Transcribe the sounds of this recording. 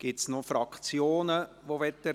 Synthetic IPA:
ɡ̥ɪtsnofɾɑkʰt͡sjoːnə | ʋoʋɛtːə

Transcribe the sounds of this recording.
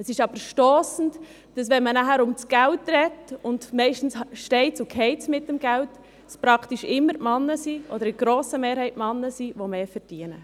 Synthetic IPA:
əsɪʃɑbəɾʃtoːsn̩t | d̥ɑsʋɛnmənæɦæɾʊmt͡sɡ̥æltːrɛtʊndmɛɪʃtn̩sʃtɛɪt͡sʊkʰɛɪt͡smɪtːəmɡælt | spɾɑkʰtiʃɪmːəɾtmɑnːəsiʔɔd̪əɾɪɡ̥ɾoːsəmeːɾhɛɪtmɑnːəsiʋomeːfəɾd̥iənə

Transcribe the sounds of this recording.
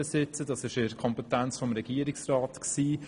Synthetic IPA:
əsɪt͡səd̥ɑsɪʃɪɾkʰɔmpɛtænt͡sfɔmɾɛɡ̥iəɾɪksrɑːtksiː

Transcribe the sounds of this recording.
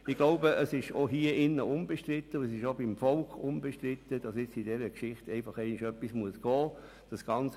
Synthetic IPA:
ɪɡ̥loʊbəʔəsɪʃoɦiːəɪnːəʔʊmb̥eʃtʁɪtːəʊəs̬ɪʃobɪmfɔlkʊmbeʃtɾɪt̪əd̥ɑsɪt͡sidɛɾəkʃɪχtɛɪfɑχɛɪnɪʃœpːismuəsɡ̥ɔː | d̥ɑsɡ̥ɑnt͡s

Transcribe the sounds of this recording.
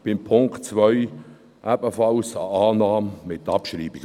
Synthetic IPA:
b̥ɪmpʰʊŋkt͡svœʏ | ʔæbəfɑlsa̰aːnaːmmɪtːɑpʃriːbiɡ

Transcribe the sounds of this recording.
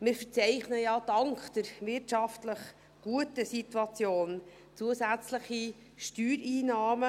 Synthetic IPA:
mɪɾfət͡sɛɪχnəjɑːd̥ɑŋkχd̥əɾʋɪrtʃɑftləχ | ɡ̥uətəsituɑt͡sjoːn | t͡suəsæt͡sləχi | ʃtyːɾiːnɑːmə

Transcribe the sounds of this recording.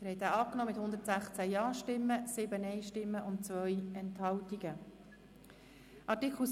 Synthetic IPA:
əɾhɛt̪æːɑːknɔːmɪthʊnd̪əɾtsæχt͡sæjɑːʃtɪmːəsɪbənɛɪʃtɪmːəʔʊnt̚t͡svœjɛnthɑltiɡ̥ə | ʔɑɾtikχl̩

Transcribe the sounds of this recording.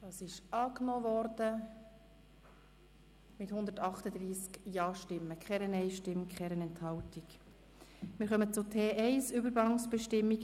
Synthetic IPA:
d̥ɑːsɪʃɑːknoːvɔɾd̥ə | mɪthʊnd̪əɾtɑχtəd̪ɾiːskjɑːʃtɪmːəkχɛɾənɛɪʃtɪmkχɛɾənɛnthɑwtik | mɪːɾχœmət͡sʊtʰeːʔɛɪsʏbəɾɡɑŋsb̥ɛʃtɪmːik

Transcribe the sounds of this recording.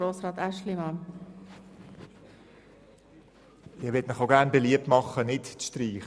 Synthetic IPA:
ɾoːsɾɑːt̪æʃlimɑn | ɪʋɪtmɪχoʊɡæʁnbeliəp̚tmɑχənɪtʃtɾiːχ

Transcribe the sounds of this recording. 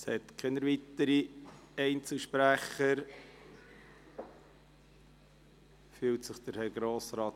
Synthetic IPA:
shɛt̪kʰenəɾvit̪əɾiɛɪnt͡səlʃpɾæχəɾ | fyːltsəχd̥̪əɾhɛɾɡɾoːsɾɑːt

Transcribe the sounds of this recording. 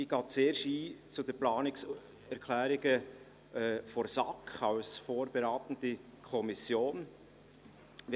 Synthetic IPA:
iɡ̥ɑːtt͡seːɾʃiːt͡sudəplɑːnɪks | ɛɾkʰlæːɾɪɡə | ɛfɔɾsɑkχɑlsfoːɾb̥eɾɑːt̪ən̩dikʰɔmisjoːn | ʋ

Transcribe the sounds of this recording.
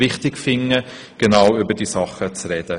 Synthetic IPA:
vɪχtɪkfɪnə | ɡ̥enaʊʏbədiːsɑχət͡srɛd̥ə

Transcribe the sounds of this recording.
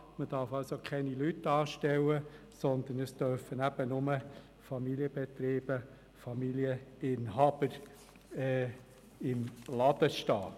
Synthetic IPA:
məd̥ɑɾfɑlsokʰɛnilytːɑːʃtɛwːə | sɔnd̪ənəst̪œɾfənæb̥ənʊmə | fɑmiliəb̥ɛt̪ɾiːb̥ə | fɑmiliəɪnɦɑb̥əɾ | ɛ | ɪmlɑd̪̥əʃtɑ̰ː

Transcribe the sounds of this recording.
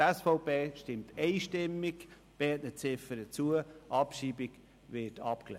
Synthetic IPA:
ɛsfoʊpeːʃtɪmtʰɛɪʃtɪmːɪk | b̥ɛtnət͡sɪfəɾət͡suəʔɑpʃiːbɪɡ | vɪtʰɑ̰pklɛ̰

